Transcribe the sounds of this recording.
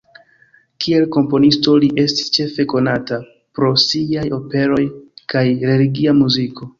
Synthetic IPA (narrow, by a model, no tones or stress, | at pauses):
kʰie̞lko̞mpo̞nisto̞liʔe̞sti̥st͡ʃe̞fe̞ko̞nata | pɾo̞siajo̞pe̞ɾo̞jkajɾe̞liɡiamuzikʰo̞